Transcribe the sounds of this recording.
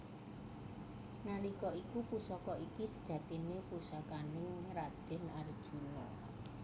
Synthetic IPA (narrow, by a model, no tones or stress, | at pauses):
nalikɔikupusɔkɔikisəd̥ʒ̥ä̤t̪inepusakanɪŋrad̪̥ɪ̤nard̥ʒ̥ṳnɔ